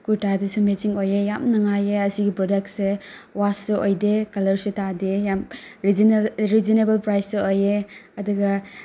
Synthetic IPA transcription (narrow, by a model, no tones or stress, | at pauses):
kutadɐsumesiŋojejamnɐŋajeɐsiɡipɾɔdek̚tse | wasuojdekɐlɐɾsutadejamɾiɾizinebɐlpɾajsuojeɐduɡɐ